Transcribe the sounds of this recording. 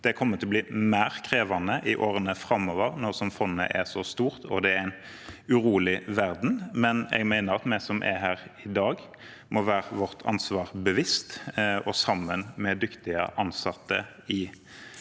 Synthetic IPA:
d̪̥ɛkʰɔmːət̪ɪlɔbliːmæːʁkʰʁeːʋɑnəʔɪʔoːɾənəfɾɑmːɔːʋəʁnɔʁsɔmfɔnːə̰ʔɛsɔst̪uːʁt̪ʰɔd̪ɛæɾæɪn | ʉʁuːlɪʋæɾd̪n̩mɛnɛ̰ɡmæɪnəɾɑt̪mɛsɔmʔɛ̰ɦæːʁɪd̪ɑːɡ | mʔɔʋæːʁəʋɔʁt̪ʰɑ̰nsʋɑːʁbəʋɪst̪ɔsɑmːənmɛd̪ʏkt̪ɪə̰ʔɑnsɑt̪ːə | ɪ

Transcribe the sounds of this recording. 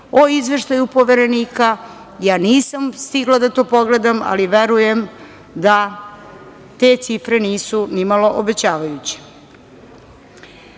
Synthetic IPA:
o̞izʋe̞ʃt̪ajupo̞ʋeɾe̞niːka | jaːniːsamst̪iɡlˠad̪at̪o̞ːpo̞ɡle̞d̪ama̰liʋe̞ɾuje̞m | d̪a | t̪e̞t̪sifɾe̞niːsunimalo̞ʔobet͡ɕaːʋajut͡ɕe̥

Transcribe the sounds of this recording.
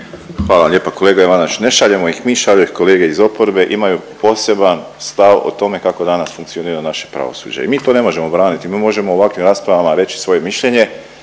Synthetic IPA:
xʋaːlaʎeːpako̞leːɡaiʋanat͡ʃne̞ʃaʎe̞moixmiːʃaʎoixko̞le̞ːɡe̞izo̞po̞ɾbe̞ʔimajupo̞se̞ban | st̪aʋo̰t̪o̞me̞kako̞d̪anasfuŋkt̪sio̞niːɾanaʃe̥pɾa̰ʋo̰sṵːd͡ʑeimiːt̪o̞ne̞mo̞ʒe̞mo̞bɾaːnit̪imiːmo̞ʒe̞mo̞uʋakʋimɾaːspɾaʋamaɾe̞t͡ʃi̥sʋo̞je̞miʃʎe̞ɲe̞

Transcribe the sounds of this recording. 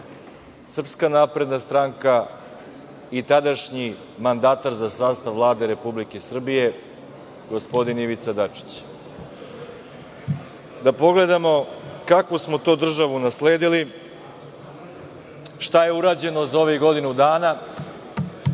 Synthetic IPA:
sr̩pskanaːpɾe̞d̪nast̪ɾaŋka | it̪ad̪aʃɲi | mand̪aːt̪aɾzasaːst̪aʋːlˠaːd̪e̞ɾe̞publikesr̩bije̞ | ɡo̞spo̞d̪iniʋit̪sad̪at͡ʂi̥t͡ɕ | d̪apo̞ɡle̞d̪amo̞kakʋosmot̪o̞ːd̪r̩ʒaʋunasleːd̪ili | ʃt̪aje̞uɾaːd͡ʑe̞no̞zao̞ʋiɡo̞d̪inud̪aːna

